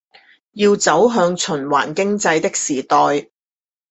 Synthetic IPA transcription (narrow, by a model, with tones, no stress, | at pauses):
jiː˧wt͡sɐ˨˥wɦœː˧ŋt͡ʃʰɵ˨˩nwa̰ː˨˩nkɪ˥ŋt͡sɐ˧jt̪ɪ˥k̚siː˨˩t̪ɔː˨j